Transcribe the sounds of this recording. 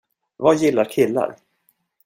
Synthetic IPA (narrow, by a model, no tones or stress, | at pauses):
vajɪlːaɾkʰɪlːa̰ɾ